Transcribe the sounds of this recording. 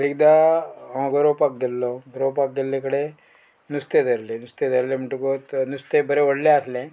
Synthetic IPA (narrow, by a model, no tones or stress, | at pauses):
ɾiɡd̪a | ɡɐɾoːpaɡelːoɡɐɾoːpaɡelːekɐɽe | nust̪ed̪ɐɾlinust̪ed̪ɐɾlimɐʈːukot̪nust̪ebɐɾeɔɽleaːsle